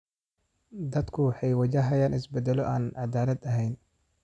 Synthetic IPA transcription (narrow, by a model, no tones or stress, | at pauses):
d̪ɐd̪kʰʊwɑħɑjwɐt͡ʃɐɦɐjaːnʔɪsbɛd̪ɛlɔʔaːnʕɑd̪aːlɐd̪ɐɦɛjn